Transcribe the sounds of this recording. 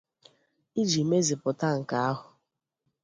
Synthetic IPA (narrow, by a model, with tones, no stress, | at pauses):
i˦d͡ʒi˨me˦zi˨pʊ˨ta˦ŋ̩˨ka˨˦a˦ɦʊ˨